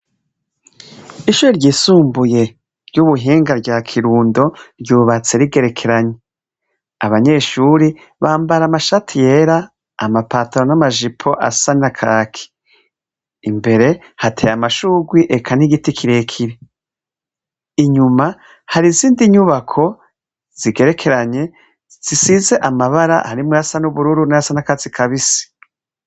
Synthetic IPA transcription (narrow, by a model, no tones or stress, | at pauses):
iʃuɾeɾɟiːsuːmbuje̞ | ɾjuβuɦiːŋɡaɾɟaːkʰiɾuːndo̞ɾɟuːβat͡seɾiɡe̞ɾe̞kʰe̞ɾaɲe | a̰βaɲe̞ʃuɾi | βaːmbaɾamaʃatʰije̞ɾaː | mapaːtʰaɾonamaʒipʰo̞ʔa̰sanakʰaːkʰi̥ | mbe̞ɾe̞ | hatʰḛjamaʃuɡwiʔekʰaniɡitikʰiɾe̞kʰiɾe | iɲuma | haɾiziːndiɲuβakʰo̞ | z̥iɡe̞ɾe̞kʰe̞ɾaɲe̞ | z̥isize̞ʔamaβaɾa̰haɾimwuasanuβuɾuɾunajasanakat͡sikʰaβisi̥